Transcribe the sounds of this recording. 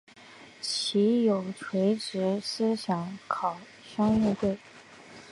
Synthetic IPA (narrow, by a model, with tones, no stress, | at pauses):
t͡ɕʰi˧˥jo˨˩ʊt͡sʰwe˧˥ɪʈ͡ʂɻ̩˧˥s̩˥ɕjɑ˨˧˥ŋkʰɑ˨˩ʊ | ɕɑ˥ŋi˥˧t̪we˥˩ɪ